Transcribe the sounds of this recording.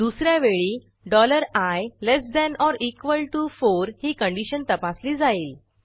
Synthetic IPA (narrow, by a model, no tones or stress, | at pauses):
d̪usɾjaʋeɭiː | ɖɔləɾajlesd̪ɛnɔɾikʋəlʈufoɾhiːkəɳɖiɕənt̪əpasliːd͡zaiːl